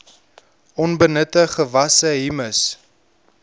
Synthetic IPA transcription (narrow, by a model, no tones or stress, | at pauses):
ɔnbənətəχəvɐsəɦiməs